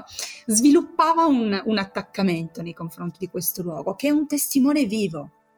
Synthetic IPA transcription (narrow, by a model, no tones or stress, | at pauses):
zvilupːaːvaununat̪ːakːament̪onejkoɱfɾont̪id̪ikwest̪olwɔ̰ːɡokeɛunt̪est̪imɔːneviːvo